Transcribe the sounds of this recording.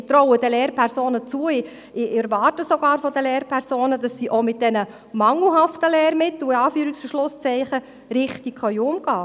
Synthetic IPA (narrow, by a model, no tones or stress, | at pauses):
t̪ɾɔwəd̥ɛlɛːɾpʰɛɾsoːnət͡suːəɪ | ɪɛɾʋɑːrtəsoɡ̥ɑːɾfɔdəlɛːɾpʰɛɾsoːnəd̥ɑsːiʔomɪt̚d̥ɛnə | mɑŋl̩ˠɦɑftəlɛːɾmɪt̪l̩ɪɑːfyːɾiksfəʃlʊst͡sɛɪχə | ɾɪχtikχœʏʊmɡ̥ɑː